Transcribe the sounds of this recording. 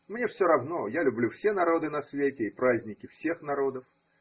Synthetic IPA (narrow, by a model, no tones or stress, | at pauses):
mnʲefsʲoɾɐvno̞jalʲʊblʲufsʲenɐɾo̞d̪ɨnɐsvʲetʲɪːpɾazʲnʲɪkʲɪfsʲe̞xnɐɾo̞d̪əf